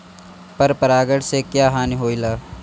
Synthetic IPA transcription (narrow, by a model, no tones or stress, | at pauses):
pɐɾpəɾaːɡəɽsekjaːɦaːniɦoːilaː